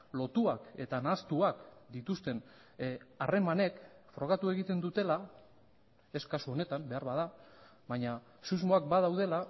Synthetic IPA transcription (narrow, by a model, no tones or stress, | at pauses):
lo̞t̪uake̞t̪anast̪uakd̪it̪ust̪e̞n | are̞mane̞kfɾo̞ɣat̪ue̞ɣit̪e̞nd̪ut̪e̞la | e̞skasuo̞ne̞t̪ambe̞aɾβað̞a | βaɲa | suzmo̞ak̚bað̞awð̞e̞la